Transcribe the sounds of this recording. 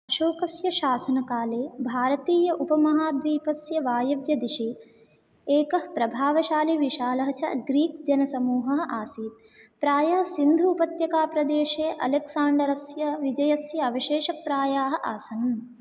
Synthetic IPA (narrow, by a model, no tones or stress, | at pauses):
ɐʃoːkɐsjɐʃaːsɐnɐkaːleːbʱaːɾɐt̪iːjɐʔupɐmɐɦaːd̪ʋiːpɐsjɐʋaːjɐʋjɐd̪iʃi | eːkɐhpɾɐbʱaːʋɐʃaːliʋiʃaːlɐɦɐt͡ʃɐ̰ɡɾiːk̪d͡ʒɐnɐsɐmuːɦɐɦɐʔaːsiːt̪ | pɾaːjɐɦɐ̆sind̪ʱuːpɐt̪jɐkaːpɾɐd̪eːʃeːʔɐ̰leksaːɳɖɐɾɐsjɐʋid͡ʒɐjɐsjɐɐʋɐʃeːʃɐpɾaːjaːɦɐ̆ʔaːsɐn